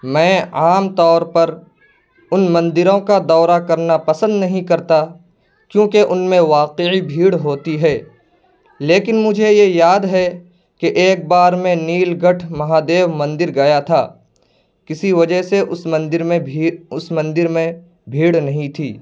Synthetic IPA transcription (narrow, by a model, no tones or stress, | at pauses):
mɛ̃ːaːmt̪ɔːɾpɐɾ | ʊnmɐ̃nd̪ɪɾõkad̪ɔːɾakɐɾnapɐsə̃nd̪nɐɦĩkɐɾt̪a | kjõːkeʔʊnmẽʋaːqeibʱiːɽɦoːt̪iɦɛː | leːkɪnmʊd͡ʒʱejejaːd̪ɦɛ | keʔeːk̚baːɾmẽniːlɡʱɐʈʰmɐɦaːd̪eːʋmɐ̃nd̪ɪɾɡɐjat̪ʰaː | kɪsiʋɐd͡ʒəɦseʔʊsmɐ̃nd̪ɪɾmẽʊsmɐ̃nd̪ɪɾmẽ | bʱiːɽnɐɦĩt̪ʰiː